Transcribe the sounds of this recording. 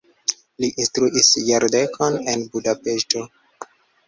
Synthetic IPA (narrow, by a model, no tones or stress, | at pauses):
liʔĩnstɾuʔisjeɾdekʰonẽnbudapesto